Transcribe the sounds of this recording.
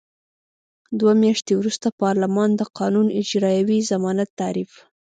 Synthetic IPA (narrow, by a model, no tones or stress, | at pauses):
d̪wamjaʃt̪ewɾust̪apɑɾlamɑnd̪əqʰɑnunɪd͡ʒɾɑjawizamɑnat̪ːaɾif